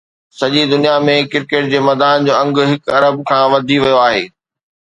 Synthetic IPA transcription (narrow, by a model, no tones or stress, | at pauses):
sɐʄid̪ʊnijamẽkɪɾkeːʈ̚d͡ʑeːmɐːd̪aːnd͡ʑoːɐ̃ŋɡ̆ɦɪkɐɾəbkʰãːʋɐd̪ʱiʋɐjoaːɦḛː